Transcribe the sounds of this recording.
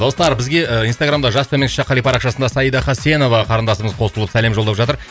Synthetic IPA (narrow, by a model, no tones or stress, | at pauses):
d̪o̞st̪ɑɾbɪzɡʲe̞ijnst̪aɡɾamd̪ɑʒɑst̪ʰɵmek̪ʲʃeqʰɑlˠijpɑɾɑqʃɑsənd̪ɑsɑjid̪ɑχɑse̞no̞vɑqʰɑɾənd̪ɑsəməzqʰo̞səlˠəpsæle̞mʒolˠd̪ɑpʒɑt̪əɾ